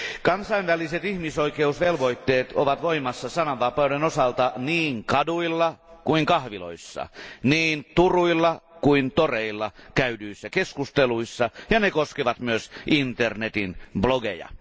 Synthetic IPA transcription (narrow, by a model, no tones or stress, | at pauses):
kɑnsɑinʋæliset̪ihmisoikeusʋelʋoit̪ːeːt̪oʋɑt̪ʋoimɑsːɑsɑnɑʋʋɑpɑowdenosɑlt̪ɑniːŋkɑduilːɑkuiŋkɑhʋilo̰isːɑ̰niːnt̪uruilːɑkuint̪oreilːɑkæydyisːækeskust̪eluisːɑjɑnekoskeʋɑt̪myøsʔint̪ernet̪inbloɡḛjɑ̰